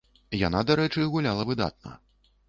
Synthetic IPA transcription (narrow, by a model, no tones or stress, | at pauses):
ja̰nad̪aɾɛt͡ʂɨɣulʲalˠɐvɨd̪a̰t̪̚nɐ̰